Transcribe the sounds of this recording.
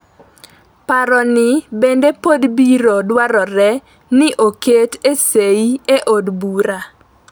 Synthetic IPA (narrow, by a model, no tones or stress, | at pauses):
paɾɔnɪbendepod̪biɾodwaɾɔɾɛ | nɪʔoketeseieʔodbuɾa